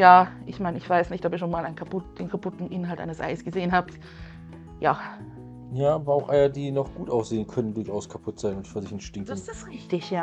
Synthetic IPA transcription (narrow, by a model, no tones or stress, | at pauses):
jaːʔɪçmaɪnəɪçv̥aɪsnɪçtʔɔp̬iːɐʃoːnmaːlaɪnkʰapʊtd̥eːnkʰapʰʊtn̩ʔɪnɦaltʔa̰ɪnəsʔa̰ɪsɡ̥əzeːənɦaːb | jaː | jaːʔaːbɐaʊxʔaɪɐdiːnɔχɡ̥uːtʔaʊsz̥eːənkʰœnəndʊɐçʔaʊskʰapʰʊtz̥aɪnʊntfyɐzɪçɛntʃtɪŋkːsʁɪçtɪçjaː